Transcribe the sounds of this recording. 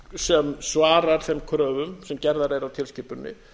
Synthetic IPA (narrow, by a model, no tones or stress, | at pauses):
sɛmsvaːɾaɾ̥θɛmkʰɾœːvʏmsɛmcɛɾðaɾejɾawt̪ʰɪlscɪpʏnːɪ̰